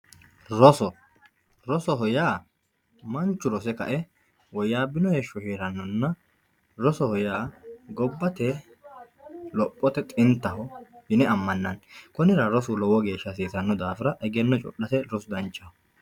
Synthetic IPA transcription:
ɾɔsɔ | ɾɔsɔɦɔjaː | mɐnt͡ʃːʊɾɔsɛkɐ̰ʔɛ | wɔjːaːbɪnɔjɛʃːɔheːɾɐnːɔnːɐ | ɾɔsɔhɔjaːɡɔbːɐt̪ɛ | lɔpʼːɔt̪ɛt̪ʼɪnt̪ːɐhɔhɪnɛɐmːɐnːɐnkɔnɪɾɐɾɔsʊlɔwɔɡe̞ːʃːɐs̬iːsɐnːɔd̪aːfɪɾɐʔɛɡɛnːɔt͡ʃʼɔ̰ɗːɐsɛɾɔsʊd̪ɐnt͡ʃʼːɐhɔ

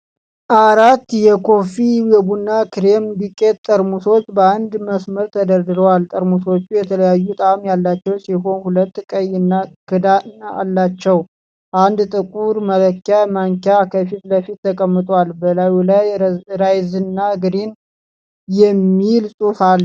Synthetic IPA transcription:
ʔaɾat̪ːjɛkʰo̞fiwebunːakɾembikʼːet̪̚t̪ʼːəɾmuso̞t͡ʃːbəand̪məsməɾt̪ʰəd̪əɾd̪ɨɾəwalt̪ʼəɾmuso̞t͡ʃːujɛt̪ʰələjajːut̪ʼamjalːat͡ʃːɛwsiɦo̞nhulət̪ːkʼəjɨnːakʰɨd̪ana̰lːat͡ʃːɛw | ʔand̪t̪ʼɨkʼuɾmələkːamaŋkjakʰəfit̪ləfit̪ːəkʼəmːɨt̪ʼwalbəlajulajɾajzɨnːaɡɨɾin | jɛmːilsʼufal

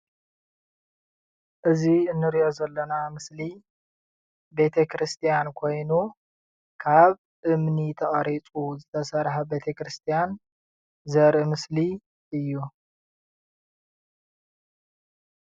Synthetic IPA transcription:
ʔɨziɨnːɨɾijo̞zɐlːɐnamɨsli | be̞t̪ʰekɾɨst̪ʰijankʰo̞jnu | kʰaβ | ʔɨmnit̪ʰɐχʼɐɾit͡sʼuzɨt̪ʰɐsɐɾħabe̞t̪ʰɐkɾɨst̪ʰijan | zɐɾʔimɨsli | ʔɨjːu

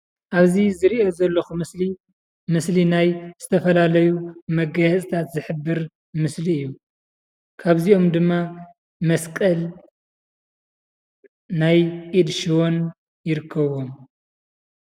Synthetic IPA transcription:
ʔaβzizɨɾiʔo̞zɐlːɐxumɨsli | mɨslinajz̥ɨt̪ʰɐfɐlalɐjumɐɡɐjɐt͡sʼt̪ʰat̪zɨħɨbːɨɾ | mɨsliɨjːu | kʰaβzio̞md̪ɨmːa | mɐskʼɐl | najʔʼid̪ʃiwo̞n | jɪɾɨkʰːɐβo̞m

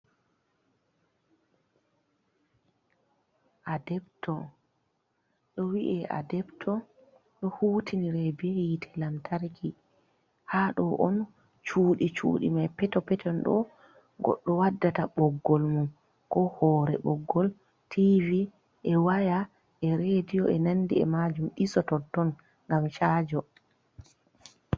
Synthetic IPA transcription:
ʔadɛptɔ | ɗɔwiʔɛʔa̰dɛptʰɔ | ɗɔhuːtʰiniɾebiɛjitʰɛ̥lamtʰaɾki | haɗɔʔɔn | t͡ʃuːɗit͡ʃṵːɗḭmajpɛtɔpɛtʰɔnɗɔ̰ | ɡɔ̰ɗːɔwadːataɓɔɡːɔlmum | kɔhɔːɾɛ̰ɓɔɡːɔl | tʰivi | ʔɛwaja | ʔɛɾedijɔʔɛnanːdḭɛ̰mad͡ʒumɗisɔtɔtːɔn | ŋɡamʃad͡ʒɔ

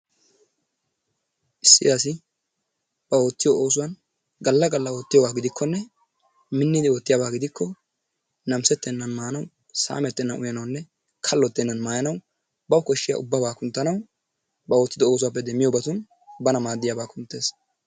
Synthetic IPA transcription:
ʔɪsːɪd̪aːs̬ɪ | b̥ɐo̞ːt̪ːɪjɔʔoːsʊwɐn | ɡɐlːɐɡɐlːɐwoːt̪ːɪjɔbaːɡɪd̪ɪkʰːɔnːɛ | mɪnːɪd̪ɪɔt̪ːɪjaːbaːɡɪd̪ɪkːɔ | nɐmsɛt̪ːɛnːɐnmaːnɐw | sa̰ːmɛt̪ːɛnːɐnʊjɐnɐwnːɛ | kʰɐlːɔt̪ːɛnːɐnmaːjɐnɐw | bɐwkɔʃːɪja̰ʔʊbːɐbaːkʊnt̪ːɐnɐw | bɐo̞ːt̪ːɪd̪ɔoːs̬ʊwaːp̬ːɛd̪ɛmːɪjɔbɐt̪ʊn | bɐnɐmaːd̪ːɪjaːbaːkʊnt̪ːe̞ːs

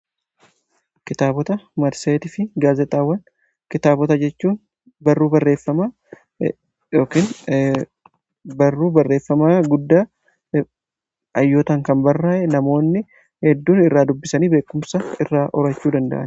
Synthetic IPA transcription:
kɪt̪aːbɔt̪ɐmɐɾseːt̪ɪfɪɡaːzɛt̪ʼaːwːɐn | kɪt̪aːbɔt̪ɐd͡ʒɛt͡ʃːuːn | bɐrːuːbɐrːeːfːɐma | jo̞ːkiːn | bɐrːuːbɐrːe̞ːfːɐmaːɡʊd̪ːaː | ʔɐjːoːt̪ɐŋkɐmbɐrːaːʔɛnɐmo̞ːnːɪ | hɛd̪ːuːnɪrːaːd̪ʊbːɪsɐniːbe̞ːkːʊmsɐɪrːaːʔɔɾɐt͡ʃːuːd̪ɐnd̪ɐ̰ʔɐ̰n

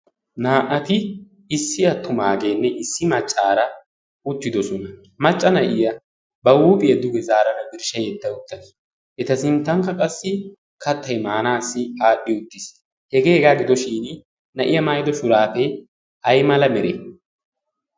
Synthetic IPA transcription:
naːʔɐt̪ɪ | ɪsːɪɐt̪ːʊmaːɡeːnːɛʔɪsːɪmɐt͡ʃʼːaːɾɐ | ʊt̪ːɪd̪ɔsɔnɐ | mɐt͡ʃʼːɐnɐʔɪjɐ | bɐwuːpʼɪjɐd̪ʊɡɛzaːɾɐnɐbɪɾʃɐjɛt̪ːɐʊt̪ːɐnɪ | ʔɛt̪ɐsɪnt̪ːɐŋkːɐkʼɐsːɪ | kɐt̪ʰːɐjmaːnaːsːɪaːɗːɪʊt̪ːɪs | hɛɡeːɛɡaːɡɪd̪ɔʃiːn | nɐʔɪjɐmajd̪ɔʃʊɾaːfɛ | ɐjmɐlɐmɛɾḛː

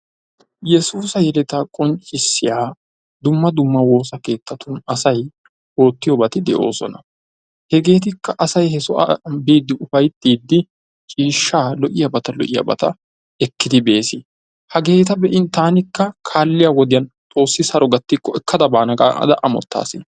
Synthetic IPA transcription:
jɛsuːsɐjɛlɛt̪akʼɔnt͡ʃʼːɪsːɪjaː | d̪ʊmːɐd̪ʊmːɐwo̞ːsɐke̞ːt̪ːɐt̪ʊnɐsɐj | o̞ːt̪ːɪjɔbɐt̪ɪd̪ɛʔo̞̰ːsɔ̰nɐ | hɛɡe̞ːt̪̬ɪkːɐʔɐsɐjhɛsɔʔɐ̰biːd̪ːɪʔʊfɐjt̪ːiːd̪ːɪ | t͡ʃʼiːʃːaːlɔʔɪjɐbɐt̪ɐlɔ̰ʔɪjɐ̰bɐ̰t̪ɐ | ɛkːɪd̪ɪbe̞ːsɪ | hɐɡe̞ːt̪ɐbɛʔɪnt̪aːnɪkːɐkʰaːlːɪjawɔd̪ɪjɐn | t͡s̪ʼo̞ːsːɪsɐɾɔɡɐt̪ːɪkːɔɛkʰːɐd̪ɐbaːnɐkʼa̰ɐ̰d̪ɐʔɐmɔ̰t̪ːa̰ːsɪ

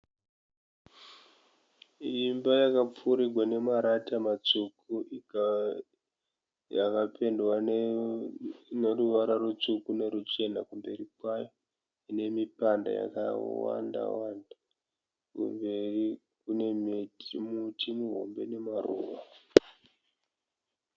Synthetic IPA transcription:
imbajakap͡fuɾiɡʱwane̞maɾatamat͡sukui | jakapʰe̞ndwan | neruʋaɾarut͡ʂukune̞ɾut͡ʃe̞nakumbe̞rikwajo̞ | ine̞mipanda̰ja̰kawa̰nda̰wanda | kṵmbe̞ri | kune̞metimutimuɦo̞̰mbe̞̰ne̞maruʋa

